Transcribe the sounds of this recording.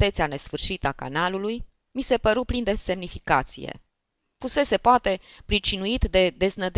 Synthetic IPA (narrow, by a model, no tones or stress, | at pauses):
t̪et̪siane̞sfɨrʃit̪aka̰naluluj | mise̞pəɾuplind̪e̞se̞mnifikat̪sḭjḛ | fuse̞se̞poat̪e̞pɾit͡ʃinuit̪d̪e̞d̪e̞znəd̪